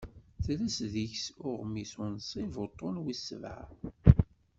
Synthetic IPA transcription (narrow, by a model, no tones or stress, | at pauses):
θlæsðiçsʊʁmisʊnsˤivot̪ˤːonwisːəvʕa̰